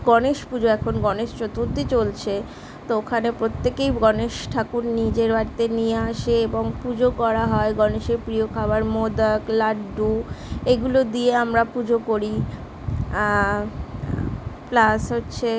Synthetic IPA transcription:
ɡ̥ɔneʃpud͡ʑoɛkʰonɡɔneʃt͡ɕot̪uɾt̪it͡ɕolt͡ɕʰe | t̪ookʰanepɾot̪ːekejɡɔneʃʈʰakunnid͡ʑeɾbaɾit̪enijeaʃeeboŋpud͡ʑokɔɾaɦɔeɡɔneʃeɾpɾijokʰabaɾmod̪aklaɖɖueɡulod̪ieamɾapud͡ʑʱokoɾi | plasɦotːɕʰe

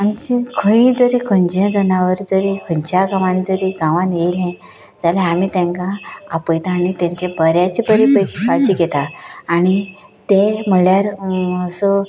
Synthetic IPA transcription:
amt͡ɕikʰəɦĩd͡zəɾikʰə̃ɲd͡ʑjə̃d͡zənaʋəɾd͡zəɾikʰəɲt͡ɕjaɡaʋãnd͡zəɾiɡãʋãnjeilɛ̃ | d͡zalɛamiːt̪ẽŋkaːpəjt̪aːɽ̃it̪jãɲt͡ɕebəɾjat͡ɕebəɾipəjkʰikat͡ɕiɡet̪aːɽ̃it̪em̤əɭjaɾəsə

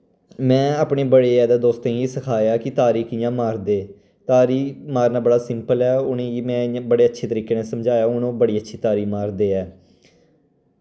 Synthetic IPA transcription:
mɛ̃ːaːpɳeːbəɽeːɛːd̪aːd̪oːst̪ẽeːsəkʰaːjaːkɪt̪aːɾiːkʰiːjãːmaːɾd̪eː | t̪aːɾiːmaːɾnaːbəɽaːsɪmpəlɛːʊnẽːiːmɛ̃ːbəɽeːətːʃʰeːt̪əɾiːkeːnẽːsəmd͡ʒaːjaːʊnõːbəɽiːətːʃʰiːt̪aːɾiːmaːɾd̪eːɛː

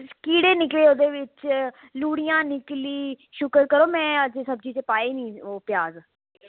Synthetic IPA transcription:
kiːɽeːnɪkʋeːoːd̪eːʋɪt͡ʃ | luːɽijãːnɪkliːʃʊkəɾkəɾoːmɛ̃ːəd͡ʒesəbd͡ʒiːt͡ʃepaːeːnĩːoːpjaːz

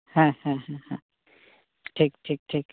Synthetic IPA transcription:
hãhãɦãɦã | ʈʰiːk̚ʈʰiːk̚ʈʰiːk

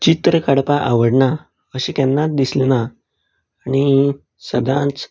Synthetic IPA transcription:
t͡ɕit̪ɾəkaɽpaʔaʋəɽɳa | əɕẽkɛnːat̪d̪islenaː | ñi | səd̪ãt͡s

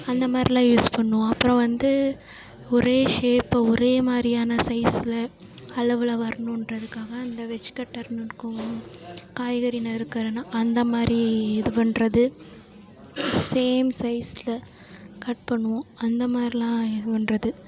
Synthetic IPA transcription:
ɐnd̪ɐmaːd̪ɾilãːjuːspɐɳːʊ̃ɐpːɯɾɐ̃ʋɐnd̪ɯ | ɔɾeːʂeːpːɐɔɾeːmaːd̪ɾijaːnɐsɐɪsɪlɐ | ɐɭɐʋɪlɐʋɐɾɐɳʊ̃ɪnrɐðɯkːaːɣɐːnd̪ɐʋɛt͡ʃːɯ̥kɐʈːɐɾnɯɾɯkːʊ̃ | kaːjɣɐɾɪnɐɪɾɯkːɐɾnaːʔɐnd̪ɐmaːd̪ɾiɛðɯpɐɳɾɐðɯ | seːmsɐɪsɪlɐ | kɐʈ̚pɐɳːɯʋʊ̃ɐnd̪ɐmaːd̪ɾilãːɛðɯpɐnrɐðɯ

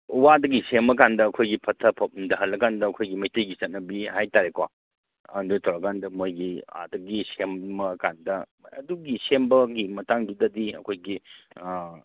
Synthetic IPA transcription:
wadɐɡisemɐkandɐːɐkʰojɡipʰɐtʰɐpʰɐp̚ndɐɦɐlːɐɡandɐːkʰojɡimɐjtɐjɡit͡ʃɐt̚nɐbihajtaɾekwa | ɐ̰ndutʰɐwɾɐɡandɐmojɡia̰dɐɡisemːɐkandɐ | ɐ̰duɡisembɐɡimɐtaŋdudɐdiɐ̰kʰojɡi

